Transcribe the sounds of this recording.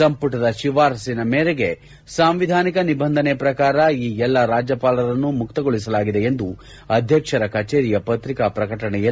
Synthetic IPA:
sɐmpuʈɐd̪ɐʃiʋaːɾsinɐmeːɾeɡe̞ | saːmʋid̪ʱaːnikɐnibɐnd̪ʱɐnepɾɐkaːɾɐiːɛlːɐɾaːd͡ʒɐpaːlɐɾɐnːumukt̪ɐɡoɭisɐlaːɡid̪eend̪u | ɐd̪ʱjɐkʂɐɾɐkɐt͡ʃeːɾijɐpɐt̪ɾikapɾɐkɐʈɐɳɛjɐ

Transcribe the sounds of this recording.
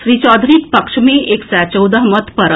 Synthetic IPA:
ʃɾiːt͡ɕɔːd̪ʱɾiːk̪pɐkʂmẽʔeksɛt͡ɕəwd̪əɦmət̪pəɾə

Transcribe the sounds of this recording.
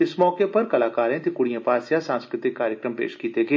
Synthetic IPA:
ɪsmɔːkepɐɾkɐlaːkaːɾẽt̪ɪkʊɽijãpaːsjasãːnskɾɪt̪ɪkːaːɾjəkɾəmpḛːʃkiːt̪ekeː

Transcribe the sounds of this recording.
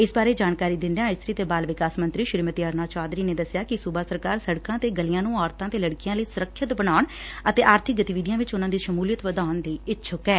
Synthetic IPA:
ɪsbaːɾeːd͡ʒaːnkaːɾiːd̪ɪnd̪jãːɪst̪ɾiːt̪eːbaːlʋɪkaːsmə̃nt̪ɾiːʃɪɾmət̪iːəɾnaːt͡ʃaːd̪ɾiːneːd̪əsɪjaːkɪsʊbaːsəɾkaːɾsəɽkãːt̪eːɡəlɪjãːnũːɔːɾt̪ãːt̪eːləɽkɪjãːləiːsʊɾəkʰːʃɪt̪bəɽ̃aːʊɳ | ət̪eːʔaːɾt̪ʰɪk̚ɡət̪iːʋɪd̪ijãːʋɪt͡ʃʊnãːd̪iːʃəmuːlijət̪ʋəd̪aːʊnd̪iːɪtːʃʰʊkɛː

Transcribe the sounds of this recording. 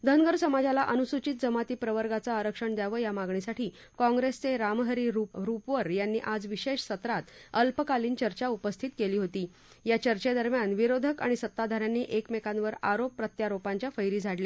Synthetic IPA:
d̪ʱənɡəɾsəmad͡zalaʔənusut͡ɕit̪̚d͡zəmat̪iːpɾəʋəɾɡat͡saːɾəkʂəɳd̪jaʋəːjamaɡɳisaʈʰiː | kɔ̃ŋɡɾest͡seɾamɦəɾiɾupɾupʋəɾjanːiːʔad͡zʋiɕeʂsət̪ɾat̪əlpəkaliːnt͡ɕəɾt͡ɕaupəst̪ʰit̪keliːɦot̪iː | jat͡ɕəɾt͡ɕed̪əɾmjanʋiɾod̪ʱəkaɽ̃isət̪ːad̪ʱaɾjanːiːʔekmekãnʋəɾa̰ɾopːɾət̪jaɾopaɲt͡ɕjafəjɾiːd͡zʱaɽle

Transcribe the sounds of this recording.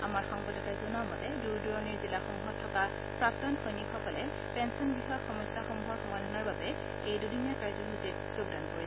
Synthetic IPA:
amaɹxɔŋbɔdɔtajzʊnamɔtɛduɹduɹɔniɹzilaxɔmɦɔtʰːɔka | pɹap̚tɔnxʰɔjnikɔkɔlɛ | pɛnsɔnbixɔjaxɔmɔjsaxɔmɦuaxɔmadʱɔnaɹbabɛ | ejdudinjakaɹzɔɦutit̚ | z̥oɡdankoɹi

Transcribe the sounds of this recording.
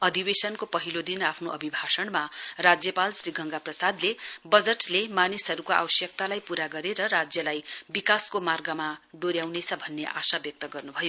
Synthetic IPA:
ʌd̪ʱibesʌnkopʌɦilod̪inapʰnoʔʌbʱibʱasʌɳmarad͡zjʌpalsriɡʱʌŋɡaprʌsad̪lebʌd͡zʌʈlemanisɦʌɾukoʔa̰wʌsjʌk̚t̪alajpuɾaɡʌɾeɾʌɾad͡zjʌlajbikaskomarɡʌmaɖoɾjawnet͡sʰʌbʱʌnːeʔasabjʌk̚t̪ʌɡʌrnubʱʌjo

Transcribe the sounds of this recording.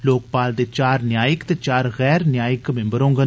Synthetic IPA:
loːk̚paːld̪eːt͡ʃaːɾnjaːjəkt̪eːt͡ʃaːɾɣɛːɾnjaːjəkmɪ̃mbəɾõːŋɡə

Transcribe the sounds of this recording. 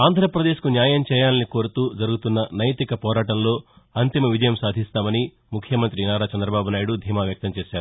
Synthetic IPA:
aːnd̪ʱɾɐpɾɐd̪e̞ːʃkunjaːjɐmt͡ʃɛːjaːnniko̞ːɾut̪uːd͡ʒɐɾuɡut̪unːɐnɐjt̪ikɐpɔːɾaːʈɐmlo̞ː | ɐnt̪imɐʋid͡ʒɐjɐmsaːd̪ʱist̪aːmɐni | mukʰːjɐmɐnt̪ɾinaːɾat͡ʃɐnd̪ɾɐbaːbunaːjuɽud̪ʱiːmaːʋjɐk̚t̪ɐmt͡ʃeːʃaːɾuu

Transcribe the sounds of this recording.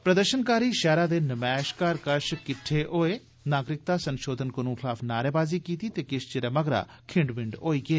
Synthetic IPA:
pɾəd̪əɾʃənkaːɾiːʃɛːɾaːd̪eːnəmɛːʃkaːɾkəʃkɪʈʰːeːʔoːeː | naːɡɾɪk̚t̪aːsənʃoːd̪ʱənkənũːkʰɪlaːpʰnaːɾeːbaːziːkiːt̪iːt̪eːkɪʃt͡ʃɪɾəːməɡɾa̰ːkʰɪɳɖbɪɳɖoːiːɡeː

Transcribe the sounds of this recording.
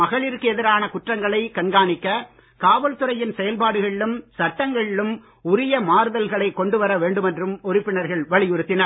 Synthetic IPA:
ɐɣɐɭiɾkɯɛðɪɾaːnɐkʊʈrɐŋɡɐɭɐɪkɐnɡaːnɪkːɐ | kaːʋɐlt̪ɯɾɐjɪnsɛjɐlpaːɽɯɣɐɭɪlɯmsɐʈːɐŋɡɐɭɪlɯm | ʊɾɪjɐmaːɾðɐlɣɐɭɐɪkːɔɳɖɯʋɐɾɐʋeːɳɖɯmɛndrɯmɔɾɪpːɪnɐɾɣɐɭʋɐɭɪjɔɾɯt̪ːɪnɐɾ

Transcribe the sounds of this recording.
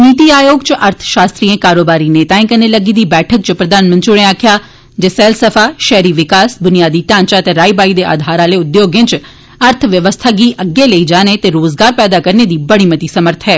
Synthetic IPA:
niːt̪iːaːjoːɡt͡ʃʔəɾt̪ʰʃaːst̪ɾiːẽːkaːɾoːbaːɾiːneːt̪aːẽːkəneːləɡiːd̪iːbɛːʈʰək̚t͡ʃpɾəd̪aːnmə̃nt̪ɾiɽẽaːkʰɪjaː | d͡ʒeːsɛːlsəfʰaːʃɛːɾiːʋɪkaːsbʊnijaːd̪iːʈãːɲt͡ʃaət̪eːɾaːibaːid̪eːʔa̰ːd̪ʱaːɾaːleːʊd̪joːɡɪ̃nt͡ʃ | əɾt̪ʰʋjəʋəst̪ʰaːɡiːʔəɡːeːləiːd͡ʒaːnet̪eːɾoːzɡaːɾpɛːd̪aːkəɾneːd̪iːbəɽiːmət̪iːsəməɾt̪ʰɦɛː

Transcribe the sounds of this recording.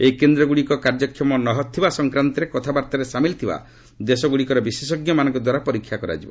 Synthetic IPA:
ekend̪ɾɔɡuɽikɔkaɾd͡ʒɔkʰjɔmɔnɔɦɔt̪ʰːibasɔŋkɾant̪ɔɾekɔt̪ʰabaɾt̪ɔɾesamilt̪ʰiba̰ | d̪esɔɡuɽikɔɾɔbises̬ɔɡjɔmanɔ̃ŋkɔd̪waɾapɔɾikʰːjakɔɾa̰d͡ʒibɔ̰

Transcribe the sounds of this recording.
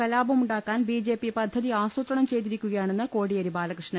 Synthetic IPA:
kɐlaːbɐmuɳɖaːkːaːnbiːd͡ʑe̞ːpipɐd̪ʱːɐðiaːsut̪rɐɳɐmt͡ɕe̞jt̪iɾikʲːuɣɐjaːɳe̞nːɨko̞ːɽijɐɾibaːlɐkrɨʂnɐ

